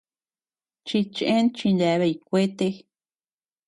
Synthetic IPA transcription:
t͡ʃi˧t͡ʃẽ˦nt͡ʃĩ˧nla˧βe˧i˧kʷe˦t̪e˧

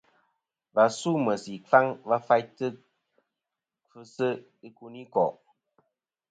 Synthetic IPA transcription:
va˨su˦mə˨si˨fa˦ŋva˦fa˦jtɨ˦ | kɨ˦sɨ˦ | i˦ku˧ni˦kɔ˨ʔ

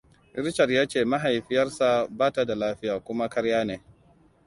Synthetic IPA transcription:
ʔɪ˦ɾt͡ʃɐ˨rjaː˦t͡ʃeː˦˨ma˦ɦa˨jɸɪ˦jɐ˦rsa˨baː˦ta˨da˨laː˦ɸɪ˦jaː˨kʷʊ˦ma˦kɐ˦ɽjaː˦neː˨

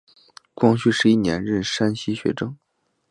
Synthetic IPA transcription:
kwɑ˥˧ŋɕy˥˩ʂɻ̩˧˥i˥˩njɛ̰˧˥nɻə˥˩nʂa˥nɕi˥ɕɥɛ̰˧˥ʈ͡ʂɤ˥ŋ

